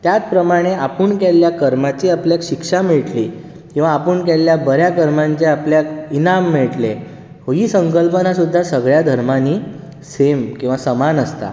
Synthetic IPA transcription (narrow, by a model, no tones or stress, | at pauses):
t̪jat͡spɾəmaɽ̃eapəɳkelːjakəɾmat͡ɕiapljakɕikʂamiɭʈli | kĩw̃ʋaːpəɳk̬elːjabəɾjakəɾmaɲt͡ɕeapljakinamːiɭʈle | hoɦiːsəŋkəlpənasud̪ʱːasəɡɭjad̪ʱəɾmaniː | semkĩw̃ʋasəmanəst̪a̰